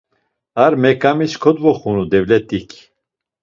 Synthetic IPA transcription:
aɾmɛkʼamiskʰɔd̪vɔχunud̪ɛvlɛt̪ʼikʰ

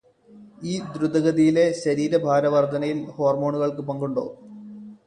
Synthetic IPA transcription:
iːd̪ɾud̪ɐɣɐðijile̞ɕɐɾiːɾɐbʱaːɾɐʋɐrd̪ʱɐnɐjilho̞ːrmo̞ːɳuɣɐɭkɨpɐŋɡuɳɖo̞̰ː

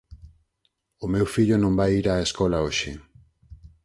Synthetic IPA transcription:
omewfiʎonõmbajiɾaeskolaoʃi

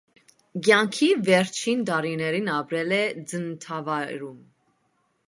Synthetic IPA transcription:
ɡjɑŋkʰivɛɾt͡ʃʰind̪ɑɾinɛɾinɑpɾɛlɛd͡zənt̪ʰɑvɑɾum

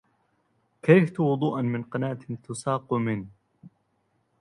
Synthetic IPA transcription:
kajft̪wʊd̪ˤuːʔanmɪnqɑnaːt̪ɪt̪ʊsɑːqʊmɪn

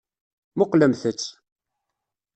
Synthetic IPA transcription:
mʊqləmθət͡sː

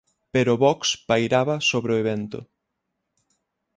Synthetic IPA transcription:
peɾʊβɔkspajɾaβɐsoβɾeoeβent̪ʊ̰

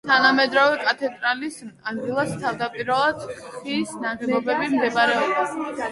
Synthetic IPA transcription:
t̪ʰanamɛd̪ɾɔvɛkʼat̪ʰɛt̪ʼɾalisad̪ɡilˠast̪ʰavd̪apʼiɾalˠad̪χisnaʁɛlˠɔbɛbimd̪ɛbɾɛɔb̪a

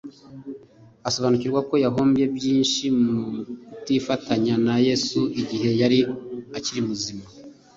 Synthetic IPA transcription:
aso̞βanuciɾɡwako̞jaɦo̞ːmbje̞bjiːnʃimutifataɲanaje̞suiɟiɦe̞jaɾiaciɾimuzima

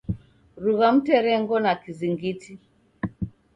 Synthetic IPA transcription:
ɾuɣam̩tɛɾɛŋɡɔnakiziŋɡiti

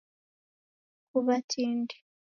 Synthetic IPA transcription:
kuβatʰiːnde̥

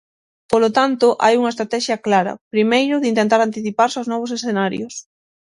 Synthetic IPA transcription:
polot̪ant̪ʊʔa̰juŋɐest̪ɾat̪ɛʃjɐklaɾɐ̰pɾimejɾʊðɪint̪ent̪aɾant̪iθipaɾsaznɔβ̞ʊsesθenaɾjʊs

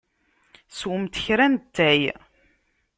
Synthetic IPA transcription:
swəmt̪çɾænt̪ːæj

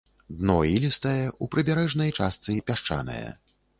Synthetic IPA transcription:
d̪nɔilʲist̪ɐjɛʔupɾɨbʲaɾɛʐnɐjt͡ʂast̪sɨpʲaʂt͡ʂa̰nɐ̰jɛ̰

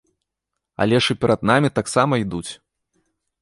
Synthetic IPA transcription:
a̰lʲɛʂɨpʲɛɾʔɐd̪namʲit̪aksamɐid̪ut͡sʲ

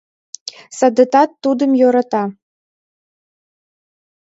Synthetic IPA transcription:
sɐd̪ɤ̆t̪ɑt̪ːud̪ɨ̆mjoɾɑt̪ɑ

